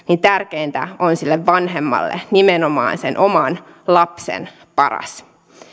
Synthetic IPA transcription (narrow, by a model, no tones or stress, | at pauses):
nint̪ærkeːnt̪æ̰onsilːeʋʋɑnɦemːɑ̰lːḛnimenomɑ̰ːnsenʔomɑn | lɑpsḛn | pɑrɑ̰s